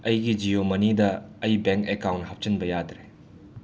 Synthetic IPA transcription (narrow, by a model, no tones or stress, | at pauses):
ɐjɡid͡ʒiomɐnidɐːjbeŋkekawnthɐp̚t͡ʃɐnbɐjadɾe